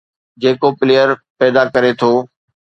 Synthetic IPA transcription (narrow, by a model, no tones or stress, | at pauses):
d͡ʑeːkopɪleːjəɾpɛːd̪akəɾet̪ʰoː